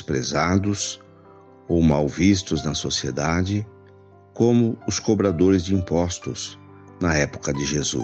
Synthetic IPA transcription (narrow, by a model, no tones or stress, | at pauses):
spɾezad̪ʊs | owmawvist̪ʊznɐsosied̪ad͡ʒɪ | kõmʊʊskobɾad̪oɾɪzd͡ʒɪĩmpɔst̪ʊs | nɐɛpʊ̥kɐd͡ʒɪʒezṵ